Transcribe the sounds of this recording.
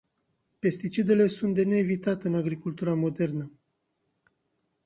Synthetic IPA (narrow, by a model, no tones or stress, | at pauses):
pe̞st̪it͡ʃid̪e̞le̞sunt̪d̪e̞ne̞ːvit̪at̪eɨnaɡɾikult̪uɾamo̞d̪e̞rnə